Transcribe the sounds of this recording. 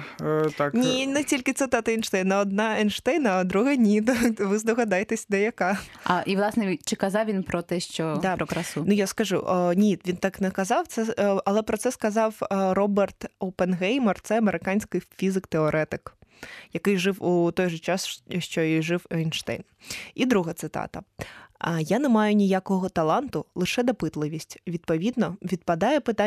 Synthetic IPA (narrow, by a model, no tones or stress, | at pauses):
t̪aknʲinɛtʲilʲkɪt̪sɨt̪ɑt̪ɐinʃt̪ɛjnɐɔd̪̚nɑɛnʃt̪ɛjnɐɐd̪ɾuɦɛnʲid̪ɐʋɪzd̪ɔɣɐd̪ɑjt̪ɛsʲd̪ɛjɐkɑɐʔiʋlˠɑsnɛt͡ʃɪkɐzɑwʋʲinpɾɔt̪ɛʃt͡ʃɔd̪ɑpɾɔkɾɐsunujaskɐʒṵʔnʲiʋʲint̪ɑknɛkɐzɑwt̪sɛɐlˠɛpɾɔt̪sɛskɐzɑwrɔbɛrt̪owpɛnɦɛjmɛrt̪sɛɐmeɾɪkɑnʲsʲkɪjfʲizɪkt̪eɔɾʔɛt̪ɪkjɐkɪjʐɪwut̪ɔjʒɔt͡ʃɑsʃt͡ʃɔiʐɪwɛjnʃt̪ɛ̰jnid̪ɾuɦɐt̪sɪt̪ɑ̰t̪ɐ | janɛmɑjʊnʲijakɔɦɔt̪ɐlˠɑnt̪ʊlˠɪʂɛd̪ɐpɪt̪lˠɪʋʲisʲtʲʋʲid̪̚pɔʋʲid̪nɔʋʲid̪̚pɐd̪ɑjɛpɪt̪a